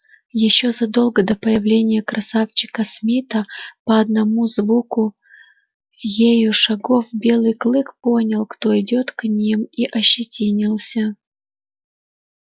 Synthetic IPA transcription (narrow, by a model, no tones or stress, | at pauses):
jɪɕːo̞zɐd̪o̞lˠɡəd̪əpəjɪvlʲenʲɪjəkɾʔɐsaft͡ɕɪ̥kəsmʲit̪əpəɐd̪nɐmuzvukʊ | jejʊʂɐɡo̞fbʲe̞lˠɨjklˠɨkpo̞nʲɪlˠkt̪o̞ɪdʲo̞t̪knʲimiʔɐɕːɪtʲinʲɪlˠsʲə